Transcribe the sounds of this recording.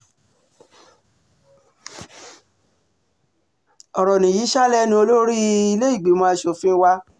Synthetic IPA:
ɔ˨ɾɔ˨nĩ˨jiː˨˦ʃa˦lɛ˦nĩ˧o˧lo˦ɾi˦i˧le˦i˦˨ɡ͡bi˨˦mãː˦˧˦ʃo˨fĩ˦wa˦

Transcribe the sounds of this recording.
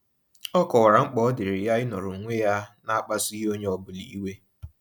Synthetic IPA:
ɔ˦kɔ˨wa˨ɾa˨ŋ͡m̩˦k͡pɔ˦dɪ˨ɾɪ˨ja˦ɪ˦nɔ˨ɾʊ˨ŋ̩˨ŋʷe˦ja˦na˦a˦k͡pa˦si˦ɦo˦ɲe˦ɔ˦bʊ˨li˨˦i˦we˦

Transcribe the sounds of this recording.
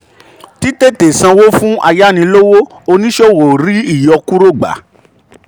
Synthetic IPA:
ti˦te˦˨te˨sã˧wo˦fũ˦ʔa˧ja˦nĩ˧lo˦wo˦ | o˧nĩ˦ʃo˦˨wo˨ɾi˨˦i˦˨jɔ˧ku˦ɾo˦˨ɡ͡ba̰˨˦

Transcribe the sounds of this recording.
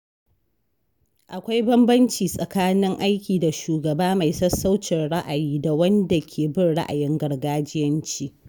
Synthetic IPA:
ʔa˨kʷa˦jbɐ˦mbɐ˦nt͡ʃiː˨sʼɐ˨kaː˦nɪ˦ŋʔa˦jkʲiː˨da˨ʃuː˨ɡɐ˨baː˦ma˨jsɐ˦sːa˦wt͡ʃɪ˨nɽa˦ʔa˨jiː˦da˨wɐ˦nda˨kʲʰeː˨bɪ˦nɽa̰˦ʔa̰˨jɪ˦ŋɡɐ˨rɡaː˦d͡ʒɪ˦jɐ˦nt͡ʃiː˦

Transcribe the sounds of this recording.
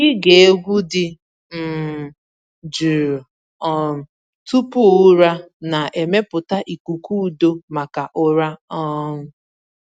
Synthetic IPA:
ɡɪ˦ɡe˨e˦ɡʷu˦dɪ˦ | m̩˦˨ | d͡ʒu˨ɾ | ɔ˦˨ | tu˦pʊ˦ʊ˦ɾa˦na˨e˨me˦pʊ˨ta˦ʔi˨ku˨ku˦˨do˦ma˨ka˨ʔʊ˦ɾa˦ɔ˦

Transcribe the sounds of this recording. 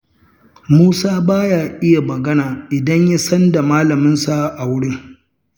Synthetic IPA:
muː˦saː˦baː˦jaː˨ʔɪ˦ja˨mɐ˨ɡɐ˦naː˨ʔɪ˨dɐ˦ɲja˦sɐ˦nda˨maː˦lɐ˨mɪ˦nsa˦˨ʔa˨wʊ˦ɽɪ˦ŋ

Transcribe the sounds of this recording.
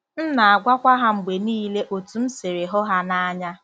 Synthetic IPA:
n̩˦na˨a˨ɡʷa˦kʷa˦ɦa˦ŋ͡m̩˨ɡ͡be˨niː˦le˦ʔo˨tu˨m̩˦se˨ɾe˨ɦɔ˦ɦa˦na˦ɲa˦

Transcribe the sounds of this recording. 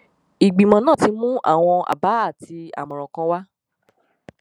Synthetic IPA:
i˨ɡ͡bi˨mɔ̃˨˦nãː˦˨ti˨˧˦mũ˦ʔa̰˦˨w̃ɔ̃˧a̰˨ba˨˦a˦˨ti˧a̰˨mɔ̃˨ɾɔ̃˨kɔ̃˧˦wa˦

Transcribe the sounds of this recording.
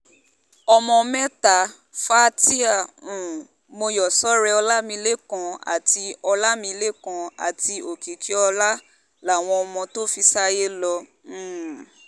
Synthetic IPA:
ɔ˧mɔ̃˧mɛ̃˦ta˨˦ | fa˦ti˦a˦˨ũ˨ | mo˧jɔ˨sɔ˨˦ɾɛ˧ɔ˧la˦mĩ˧˦le˦kã˧a̰˨tʰi˧ɔ˧la˦mĩ˧le˦kã˧˦a̰˨ti˧o˨ki˨kʰi˦ɔ˧la˦ | la˦˨w̃ɔ̃˧ɔ˧mɔ̃˧to˦fi˧sa˦je˦lɔ̃˧˦˨

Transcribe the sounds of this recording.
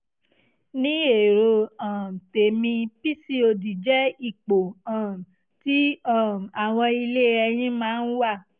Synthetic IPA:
nĩ˦e˨ɾo˧ã˨te˨mĩ˧pi˦si˦o˧di˨d͡ʒɛ˦i˦˨k͡po˨ã˨ | ti˦ã˦˨a˨w̃ɔ̃˧i˧le˦ɛ˧j̃ĩ˦mãː˦˧˦n̩˦wa˦˨

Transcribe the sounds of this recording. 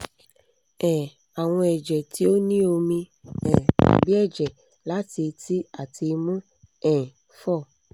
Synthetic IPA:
ɛ̃˨ | a˨w̃ɔ̃˧ɛ˨d͡ʒɛ˨ti˦o˦nĩ˦o˧mĩ˧ɛ̃˨a̰˨bi˦ɛ˦˨d͡ʒɛ˨ | la˦ti˧ti˦a˨ti˧mɔ̃˦ | ɛ̃˨ | fɔ˦˨

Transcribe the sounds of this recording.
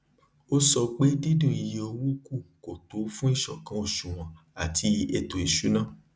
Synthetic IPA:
o˦sɔ˧k͡pe˦di˦dũ˦˨i˧je˧o˧wu˦ku˦˨ko˨to˨˦fũ˦i˦˨ʃɔ˨kã˨˦o˦˨ʃũ˨w̃ɔ̃˨ | a˨tʰi˧˦e˧to˨i˨ʃu˨˦nã˦˨

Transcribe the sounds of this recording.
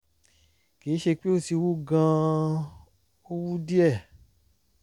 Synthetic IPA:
ke˨˦ʃe˧k͡pe˦o˦˨ti˧wu˦ɡã˧ | o˦wu˦di˦ɛ˦˨

